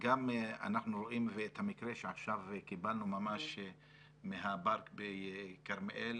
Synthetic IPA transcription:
ɡama̰naχnuɾoʔimveet̪hamikʁeʃeaχʃavkibalnumamaʃ | meɦabaʁkbekaʁmʔel

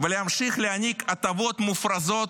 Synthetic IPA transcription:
vəlʲɪhamʃixlʲɪanʲikɐt̪avo̞t̪mufɾɐzo̞t̪

